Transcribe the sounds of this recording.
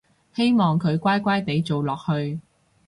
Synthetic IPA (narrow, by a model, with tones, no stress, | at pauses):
he˥jmɔː˨ŋkʰɵ˨˧ɥkʷaː˥jkʷaː˥jt̪e˨˥jt͡so˨wlɔː˨k̚hɵ˧ɥ